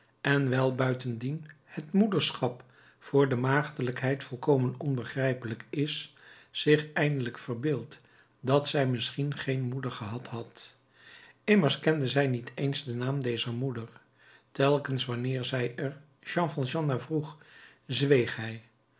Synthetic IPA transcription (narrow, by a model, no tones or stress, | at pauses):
ɛnʋɛlˠbœɥtəndinhətmudəɹsχɑp | fʊːɹdəmaːχtələkɦɛjtfɔlˠkowmənɔnbəχrɛjpələkɪsz̥ɪχɛjndələkfəɹbɪːlˠt | dɑtsɛjmɪsχinχejnmudəɹχəɦɑtɦɑt | ɪməɹskɛndəzɛjnitʰejnzdənaːmdejzəɹmudəɹ | tɛlˠkənsʋɑnɪːɹzɛjəɹ | ʒɑ̃nfɑnʒɑnavruχzʋejχɦɛj